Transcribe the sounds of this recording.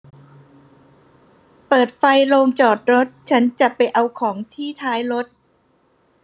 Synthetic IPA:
pɤː˨˩t̪̚fa˧jloː˧ŋt͡ɕɔː˨˩t̪̚ɾo˦˥t̪̚t͡ɕʰa˦˥nt͡ɕa˨˩pa˧jʔa˧wkʰɔː˩˦ŋt̪ʰiː˥˩t̪ʰaː˦˥jɾo˦˥t̪̚

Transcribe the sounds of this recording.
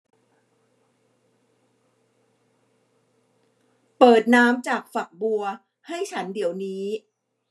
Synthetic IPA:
pɤː˨˩t̪̚naː˦˥mt͡ɕaː˨˩k̚fa˨˩k̚bu˧ɐ | ha˥˩jt͡ɕʰa˦˥ndi˩˦əwniː˦˥

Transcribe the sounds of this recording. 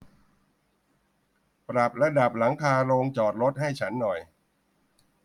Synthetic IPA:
pɾa˨˩p̚la˧da˨˩p̚la˩˦ŋkʰaː˧loː˧ŋt͡ɕɔː˨˩t̪̚ɾo˦˥t̪̚ha˥˩jt͡ɕʰa˦˥nːɔ˨˩j

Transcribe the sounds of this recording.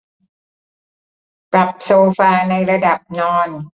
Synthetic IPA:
pɾa˨˩p̚soː˧faː˧na˧jɾa˧da˨˩p̚nɔː˧n

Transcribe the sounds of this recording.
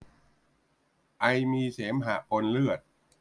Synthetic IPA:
ʔa˧jmiː˧seː˩˦mɦaː˨˩ʔo˧nlɯ˥˩ət̪̚

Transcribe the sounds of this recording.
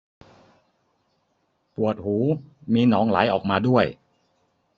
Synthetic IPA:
pu˨˩ət̪̚huː˩˦miː˧nɔː˩˦ŋla̰ː˩˦jʔɔː˨˩k̚maː˧du˥˩əj

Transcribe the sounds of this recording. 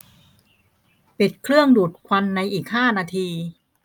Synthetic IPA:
pi˨˩t̪̚kʰɾɯ˥˩əŋduː˨˩t̪̚kʰwa˧nːa˧jʔiː˨˩k̚haː˥˩naː˧t̪ʰiː˧

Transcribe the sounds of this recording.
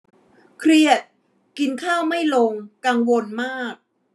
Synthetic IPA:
kʰɾi˧˥˩ət̪̚ | ki˧nkʰaː˥˩wma˥˩jlo˧ŋka˧ŋwo˧nmaː˥˩k̚

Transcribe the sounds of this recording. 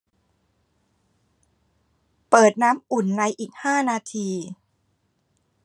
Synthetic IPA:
pɤː˨˩t̪̚naː˦˥mʔu˨˩nːa˧jʔiː˨˩k̚haː˥˩naː˧t̪ʰiː˧

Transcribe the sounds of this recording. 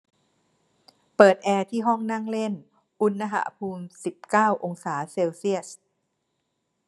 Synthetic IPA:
pɤː˨˩t̪̚ʔɛː˧t̪ʰiː˥˩ɦɔ˥˩ŋna˥˩ŋle˥˩n | ʔu˧nːa˧ɦa̰˩˦pʰuː˧msi˨˩p̚kaː˥˩wʔo˧ŋsaː˩˦seː˧wsi˥˩əs

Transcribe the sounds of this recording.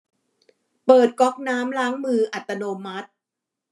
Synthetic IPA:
pɤː˨˩t̪̚kɔ˦˥k̚naː˦˥mlaː˦˥ŋmɯː˧ʔa˨˩t̪ːa˧noː˧ma˦˥t̪̚

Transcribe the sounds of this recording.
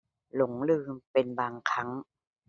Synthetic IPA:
lo˩˦ŋlɯː˧˩mpe˧nbaː˧ŋkʰa˦˥ŋ

